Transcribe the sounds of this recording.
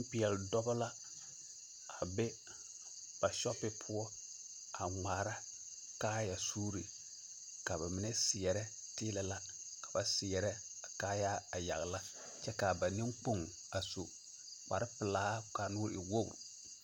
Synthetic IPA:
pɪ˨ɛ˨ldɔ˦bɔ˦la˦ | a˨bɛ˦ | b̥a˨ʃɔ˦pːɪ˦pʰʊ˦ɔ˦ | a˨ŋaː˨ɾa˦ | kaː˦ja˨suː˦ɾi˨ | ka˨βa˨mɪ˨nɛ˦sɪ˨ɛ˨ɾɛ˦ | tɪː˦lɛ˦la˦ | kḁ˨ba˨sɪ˨jɛ˨ɾɛ˦ | a˨kaː˦ja˦a˨ja̰˨ɣla˦ | t͡ʃɛ˦ka˨ba˨ni˦ŋk͡po˦ŋ | a˨so˨ | k͡pa̰˨ɾɪ˦pɪ˨laː˦ka˨nʊː˦ɾɪ̰˨wo˦ɡɾ

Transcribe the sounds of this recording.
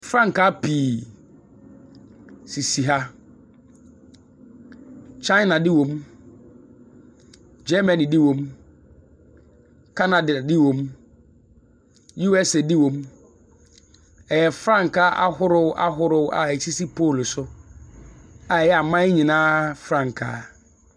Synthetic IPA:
fɾã˦ŋ˨ka˦pi˨ | si˨si˨ɦa˦ | t͡ʃa˦ɪ˦nã˨dɪ˦wo˨m | d͡ʒɛ˦mã˨nĩ˨dɪ˦wõ˨m | kʰa˦na˨ddɪ˦wõ˨m | ju˦ɛ˦sɛ˨dɪ˦wõ˨m | ɛ˨jɛ˨fɾã˦ŋ˨ka˦ʔa̰˦ɦʊ˦ɾʊ˨˦ʔa̰˦ɦʊ˦ɾʊ˨˦ʔa˨e˨si˦si˦pʰoː˦˨lsʊ˦ | a˨jɛ˦a˨mã˦ɪ˦ɲĩ˨nãː˦fɾã˦˨ŋ˨kʰa̰˨˦

